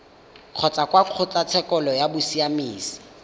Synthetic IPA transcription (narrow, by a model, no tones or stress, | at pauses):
q͡χʰɔt͡sʼakwaq͡χʰʊt͡sat͡sʰɛkʼɔlɔjabʊsiamiːsi̥